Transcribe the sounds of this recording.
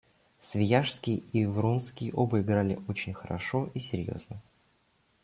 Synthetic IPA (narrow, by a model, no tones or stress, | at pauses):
svʲɪjaʂskʲɪjivɾunskʲɪjəʔobəɪɡɾalʲɪ̰ʔo̞t͡ɕɪnʲxəɾɐ̰ʂo̞ʔisʲɪɾʲjo̰znə